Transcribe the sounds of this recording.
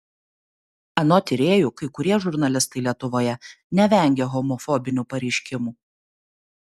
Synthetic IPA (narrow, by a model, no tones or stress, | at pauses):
ɐnoːt̪ʲɪɾʲeːjukɐɪkʊɾʲiɛʒʊɾnɐlʲɪst̪ɐɪlʲiɛt̪ʊʋoːjɛ | nʲɛʋʲɛˑŋʲɡʲɛɣɔmɔfɔbʲɪnʲuːpɐɾʲɛɪʃʲkʲɪmuː